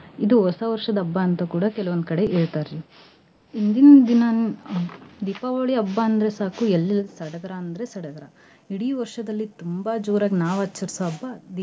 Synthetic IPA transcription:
id̪uɦɔsɐʋɐɾʂɐd̪ɐɐbːɐːnt̪ɐkuːɽɐkɛlɐʋond̪̚kɐɽe̞ʔeːɭt̪aːɾɾi | ind̪inɐd̪inaːn | d̪iːpaːʋoːɭiɐbːɐɐnd̪ɐɾe̞saːkuelːilɐsɐɽɐɡ̪ɐɾaːnd̪ɐɾesɐɽɐɡ̪ɐɾɐ | iɽiːʋɐɾʂɐd̪ɐlːit̪umbɐd͡ʒuːɾaːɡnaːʋaːt͡ʃːɐɾsoɐbːɐd̪i

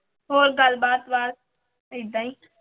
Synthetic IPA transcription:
ɦoːɾɡəlbaːt̪ʋaːɾ | ɪd̪ãːĩː

